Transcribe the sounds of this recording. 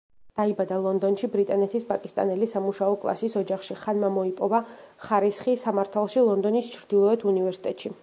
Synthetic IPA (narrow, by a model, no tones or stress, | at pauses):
d̪̥aibad̪alˠɔnd̪ɔnʃibɾit̪ʼanɛt̪ʰispʼakʼist̪ʼa̰nɛlisamuʃaɔkʼlˠa̰sisɔd͡ʒaχʃiχanmamɔipʼɔvaχaɾisχisamaɾt̪ʰalˠʃilˠɔnd̪ɔnist͡ʃʰɾd̪̥ilˠɔɛt̪ʰunivɛɾsi̥t̪ʼɛt̪ʼʃi